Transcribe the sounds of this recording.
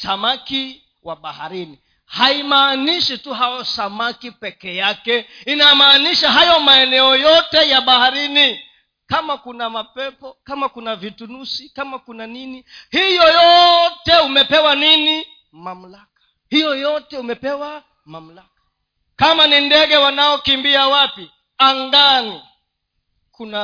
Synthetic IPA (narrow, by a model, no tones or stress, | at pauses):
samaki | waɓaha̰ɾini | haimaːniʃituɦajɔsamakipɛkɛjakɛinamaːniʃaɦajɔmaɛnɛɔjɔtɛjaɓahaɾini | kamakunamapɛpɔkamakunavitunusikamakunaninihijɔjɔtɛumɛpɛwanini | mam̩lakḁ | hijɔjɔtɛumɛpɛwa | mam̩lakḁ | kamanindɛɠɛwanaɔkimbiawapi | aŋɡani | kuna